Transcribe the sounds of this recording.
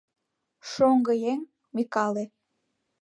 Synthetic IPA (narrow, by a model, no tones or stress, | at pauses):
ʃoŋɡɤjeŋ | mikɑle